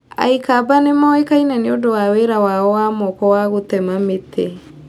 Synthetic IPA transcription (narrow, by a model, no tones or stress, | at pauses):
a̰ikabanemɔekainɛneodowaweɾawaɔwaːmɔkɔwaɣotɛmamete